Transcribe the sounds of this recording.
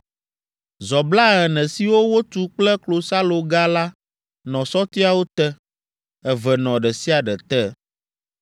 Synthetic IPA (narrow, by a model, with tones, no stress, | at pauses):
zɔ˨bla˦ɣɛ˨nɛ̃˨si˦wo˦wo˦t̪u˦k͡plɛ˦klo˨sa˦lo˨ɡa˦la˦ | nɔ̃˨sɔ˦t̪i˦a˦wo˦t̪ɛ˦ | ɛ˨vɛ˨nɔ̃˨ɖɛ˨si˦a˨ɖɛ˨t̪ɛ˦